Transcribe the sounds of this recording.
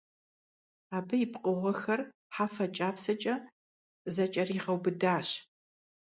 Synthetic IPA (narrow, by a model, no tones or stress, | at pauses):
aːbɐjɪpqʼʊʁʷɔxɐr | ħaːfɐt͡ʃʼaːpsɐt͡ʃʼɐ | zɐt͡ʃʼɐriːʁɐwbɨdaːɕ